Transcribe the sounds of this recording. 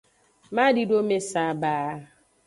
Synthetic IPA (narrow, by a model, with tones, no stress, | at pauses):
ma˦di˦do˦me˦sa˨˦ba˨˦